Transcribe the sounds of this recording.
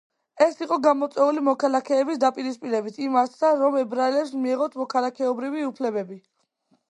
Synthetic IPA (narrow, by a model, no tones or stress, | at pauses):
ɛsiqʼɔɡamɔt̪sʼwɛulimɔkʰalˠakʰɛːbisd̪apʼiɾispʼiɾɛbit̪ʰimaɾt̪ʰsaɾɔmɛbɾaɛlɛpsmiɛʁɔt̪ʰmɔkʰalˠakʰɛɔbɾiviupʰlɛbɛbi